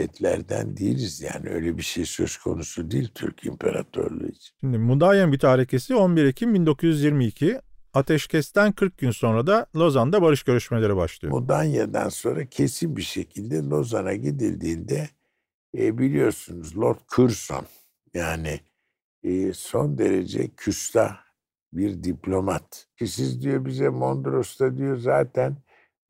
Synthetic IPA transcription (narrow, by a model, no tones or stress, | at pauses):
ɛt̪ʰlʲæɾd̪æ̰nd̪ejilʲizja̰ːnɪø̞̰jlʲɛbiʃejsø̞zkʰo̞̰nusud̪eilʲt̪ʰyɾkʰḭmpʰeɾat̪ʰø̰ɾlˠṵit͡ʃʰi̥nʃimd̪imud̪ajambyt̪ʰyɦaɾe̞cʰe̞sio̞nbiɾicʰinbind̪o̞kʰuzyzjiɾmiːcʰiat̪ʰɛʃcʰɛst̪ænkʰɯɾk̚ɟynso̞nɾad̪alˠo̞zand̪abaɾɯʃɟø̞ɾyʃmelʲeɾɛbaʃlˠɯjomud̪anjad̪a̰nso̞nɾacʰe̞sinbiʃecʰilʲd̪ɛlˠo̞zanaɟid̪ilʲd̪iːnd̪ɛ | bilʲijo̞ɾsunuzlˠoɾt̪̚kʰuɾso̰n | jaːnɪː | so̞nd̪e̞ɾḛd͡ʒɛ̰cʰysla | biɾd̪iplʲo̞mat̪cisizd̪ijo̞bizɛmo̞nd̪ɾo̞st̪ad̪ijo̞zaːt̪ʰæn